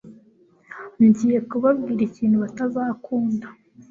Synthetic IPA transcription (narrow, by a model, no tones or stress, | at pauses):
ɲɟiːje̞kuβabɡiːɾiciːnhuβatazakʰuːnda